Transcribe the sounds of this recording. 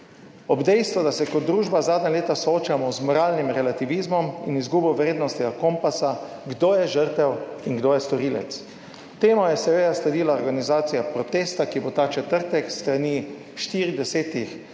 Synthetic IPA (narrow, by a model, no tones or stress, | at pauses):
ɔbd̪ɛjst̪ʋɔd̪asɛkɔd̪d̪ːɾuːʒbazaːd̪nʲɲaleːt̪asɔoːt͡ʃamɔzmɔɾaːlnimɾɛlat̪iʋizmɔmḭnizɡuːbɔʋɾeːd̪nɔst̪ɛɡakompasa | ɡd̪oːjɛʒəɾt̪ɛwinɡd̪oːjɛst̪ɔɾiːlɛ̰t̪s | t̪eːmɔjɛsɛʋejaslɛd̪iːlaɔɾɡanizaːt̪sijapɾɔt̪eːst̪akibot̪aːt͡ʃɛt̪əɾt̪ɛkst̪ɾaniː | ʃt̪iːɾid̪ɛseːt̪ix